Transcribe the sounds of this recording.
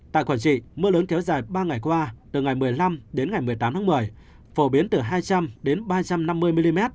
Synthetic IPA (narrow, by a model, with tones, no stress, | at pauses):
t̪a̰ː˧˨kwaː˧˩nt͡ɕḭ˧˨mɨ˧ələː˨˦nkɛ˨˦wzaː˨˩jɓaː˧ŋa˨˩jkwaː˧t̪ɨ˨˩ŋa˨˩jmɨ˨˩əjla˧mɗe˨˦nŋa˨˩jmɨ˨˩əjt̪aː˨˦mt̪ʰaː˨˦mɨ˨˩əj | fo˧˩ɓi˨˦ənt̪ɨ˨˩ɦaː˧jt͡ɕa˧mɗe˨˦nɓaː˧t͡ɕa˧mna˧mːɨ˧əjmi˧li˧mɛ˦˥t̚